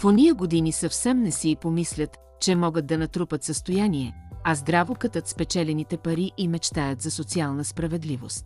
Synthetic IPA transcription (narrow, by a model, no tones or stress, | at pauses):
foniəɡod̪inisɐfsɛmnɛsipomislʲət̪ | t͡ʃɛmɔɡət̪̚d̪ɐnɐt̪ɾupət̪səst̪ojaniɛɐzd̪ɾavokət̪ət̪spɛt͡ʃɛlɛnit̪ɛpɐɾiʔimɛt͡ʃt̪ajət̪zɐsot̪sialˠnəspɾɐvɛd̪livost̪